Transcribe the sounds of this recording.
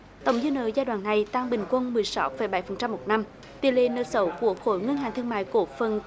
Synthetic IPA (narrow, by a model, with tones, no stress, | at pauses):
t̪ə̰˨˧˩wŋ͡mzɨ˧nə̰ː˧˨zaː˧jɗwaː˧˨nːa˨˩jt̪a˧ŋɓï˨˩ŋ̟kwə˧nmɨ˨˩əjsa˨˦wfə˧˩˦jɓa˧˩˦jfə˨˩nt͡ɕa˧mːo˨˩t̚na˧m | t̪ḭ˧˨əlḛ˧˨nə̰ː˧˨˩sə˧˦wku˧˩əxo̰˧˩˦jŋə˧nhaː˨˩nt̪ʰɨ˧əma̰ː˧˨jko˧˩fə˨˩n